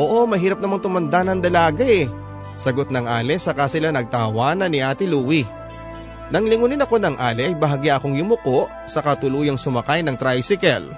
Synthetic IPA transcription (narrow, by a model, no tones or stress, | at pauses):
ʔoːʔo̞mɐɦiːɾɐp̚nɐmaŋt̪ʊmɐnd̪anɐŋd̪ɐlaːɡɐʔɛ | sɐɡot̪̚nɐŋʔaːlɛsɐkasɪlanɐɡ̚t̪ahɐwaːnɐnɪʔaːt̪ɪluːwi | nɐŋlɪŋunɪnɐko̞nɐŋʔaːlɛʔɐjbɐɦaɡiaʔɐko̞ŋjʊmʊko̞ʔ | sɐkɐt̪ʊluːjɐŋsʊmɐkajnɐŋt̪ɾajsɪkɛl